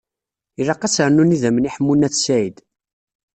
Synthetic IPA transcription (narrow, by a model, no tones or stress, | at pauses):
irɑqːæsəɾnuniðæməniħəmːunæθsæid̪